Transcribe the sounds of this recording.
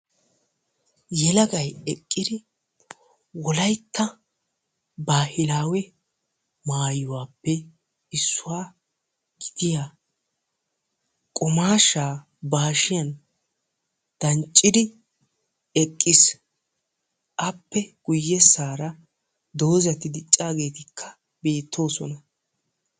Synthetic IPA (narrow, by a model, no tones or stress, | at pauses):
jɛlɐɡɐjɛkʼːɪd̪ɪ | wɔlɐjt̪ʰːɐ | baːhɪlaːwɛ | maːjʊwaːpːɛ | ɪsːʊwaː | ɡ̥ɪd̪ɪja | kʼɔmaːʃaː | baːʃɪjɐn | d̪̥ɐnt͡ʃʼːɪd̪ɪ | ɛkʼːɪs | ʔɐpːɛɡ̥ʊjːɛsaːɾɐ | d̪o̞ːzɐt̪ɪd̪ɪt͡ʃʼːaːɡe̞ːt̪ɪkʰːɐ̥ | be̞ːt̪ʰːo̞ːsɔnɐ